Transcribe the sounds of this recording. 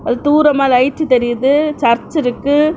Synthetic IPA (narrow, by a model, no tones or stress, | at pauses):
ɐðɯt̪uːɾɐmaːlɐɪt͡ʃːɯt̪ɛɾɪjɐðɯt͡ʃɐɾt͡ʃːɪɾɯkːɯ